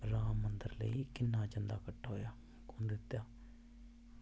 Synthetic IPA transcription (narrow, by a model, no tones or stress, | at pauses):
ɾãːmːənd̪əɾlə̰iːkɪnːaːt͡ʃənd̪a̰ːkəʈʰːaːɦoːjaː | kʊnd̪ɪt̪ːjaː